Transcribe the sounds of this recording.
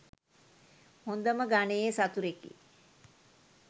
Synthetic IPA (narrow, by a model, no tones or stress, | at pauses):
hond̪əməɡanejesat̪uɾekḭ